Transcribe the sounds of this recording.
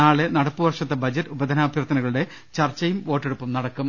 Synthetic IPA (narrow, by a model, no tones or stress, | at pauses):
aːɭenɐɽɐpːuʋɐrʂɐt̪ːebɐd͡ʑɐtːubɐd̪ʱɐnaːbʱjɐrt̪ːɐnɐɣɐɭuɽe̞ | t͡ɕɐrt͡ɕɐjumʋo̞ːʈːeɽupːɐmnɐɽɐkːum